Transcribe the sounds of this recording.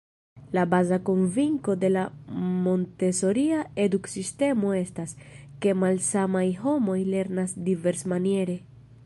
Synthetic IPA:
labazako̞nviŋko̞de̞lamo̞nte̞so̞ɾiae̞duksiste̞mo̞e̞staske̞malsamajɦo̞mo̞jle̞ɾnasdive̞ɾsmanie̞ɾe̞

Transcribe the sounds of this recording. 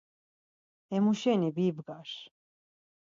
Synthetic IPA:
ɛmuʃɛnibiːbɡaɾ

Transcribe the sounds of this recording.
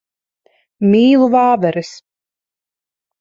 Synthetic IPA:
mʲiːlˠuvaːvɛɾis

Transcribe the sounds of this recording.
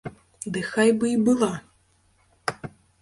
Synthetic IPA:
d̪ɨxajbɨibɨlˠa

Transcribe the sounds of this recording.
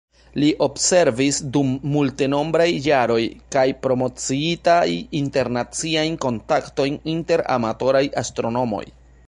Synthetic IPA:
liʔo̞bse̞ɾvisdumːulte̞no̞mbɾajːaɾo̞jkajpɾo̞mo̞t͡siitajinte̞ɾnat͡siajnko̞ntakto̞jninte̞ɾa̰mato̞ɾajastɾo̞no̞mo̞̰j

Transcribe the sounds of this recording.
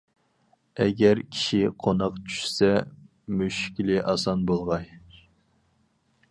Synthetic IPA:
ɛɡʲɛɾkʲʰi̥ʃiqʰonɑqt͡ʃʰy̥ʃsɛ | myʃkʲilɪʔɑsɑnbolˠʁɑj

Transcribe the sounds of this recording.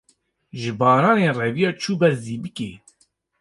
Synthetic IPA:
ʒɨbɑːɾɑːneːrɛvijɑːt͡ʃʰuːbɛɾziːbɨkeː

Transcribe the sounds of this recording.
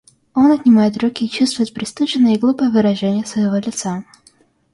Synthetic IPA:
o̞nɐt̪ʲnʲɪmajɪt̪ɾukʲɪːt͡ɕust̪vʊjɪt̪pɾʲɪst̪ut͡ɕɪnːəjəɪɡlˠupəjəvɨɾɐʐɛnʲɪjəsvɐjɪvolʲɪt̪sa

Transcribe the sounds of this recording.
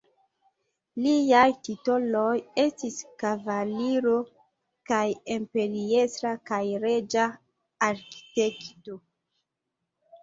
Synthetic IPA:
liajtito̞loje̞stiskavaliɾo̞ | kaje̞mpe̞lie̞stɾakajɾe̞d͡ʒaː | ɾki̥tekto̞

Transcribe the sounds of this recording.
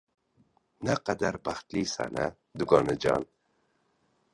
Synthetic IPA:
naqad̪aɾbaχt̪lisa̰na | d̪ʊɡɑnad͡ʒɑ̰n

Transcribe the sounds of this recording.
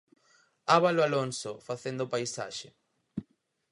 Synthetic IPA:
aβaloalõnsofaθend̪ʊpajsa̰ʃe

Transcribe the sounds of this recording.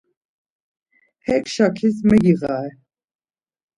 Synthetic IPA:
hɛkʰʃakʰismɛɡiɣaɛ

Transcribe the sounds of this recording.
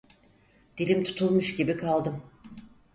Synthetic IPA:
d̪̥ilʲimt̪ʰu̥t̪ʰulˠmuʃɟibikʰalˠd̪ɯm

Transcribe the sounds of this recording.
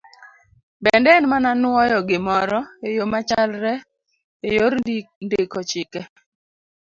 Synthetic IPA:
bɛndɛnmananwɔjɔɡɪmɔɾɔejomat͡ʃalɾɛ | ejoɾndekɔt͡ʃɪkɛ

